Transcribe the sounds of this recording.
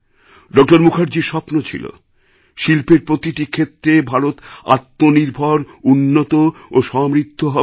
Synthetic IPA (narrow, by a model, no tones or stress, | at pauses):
ɖɔk̚ʈoɾmukʰaɾd͡ʑiʃɔpnot͡ɕʰḭlo̰ | ʃilpeɾpɾot̪iʈikʰet̪ːɾebʱaɾot̪a̰t̪ːoniɾbʱɔɾ | unːot̪ooʃɔmɾit̪ʰːoɦɔ